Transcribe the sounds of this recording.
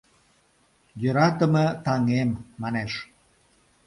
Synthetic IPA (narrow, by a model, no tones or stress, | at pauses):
jøɾɑt̪əmə̆t̪ɑŋemːɑneʃ